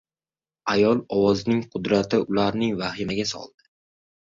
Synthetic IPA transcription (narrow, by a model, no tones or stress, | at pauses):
ajɒlˠɒwɒznɪŋqʰʊd̪ɾat̪ʰɪʊlaɾnɪŋvahɪmaɡʲasɒ̰lˠd̪̥ɪ̥